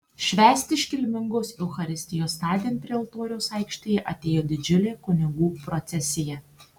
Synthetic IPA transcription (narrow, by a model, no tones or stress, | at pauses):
ʃʲʋʲæːsʲt̪ʲɪʃʲkʲɪlʲmʲɪŋɡosɛʊxɐɾʲɪsʲt̪ʲɪjoːst̪ɑːd̪ʲenʲpʲɾʲelˠt̪oːɾʲɛʊsɐɪkʃʲt̪ʲejɛʔɐt̪ʲeːjoːd̪ʲɪd͡ʒʲʊlʲeːkʊnʲɪɡuːpɾɔt̪sʲɛsʲɪjɛ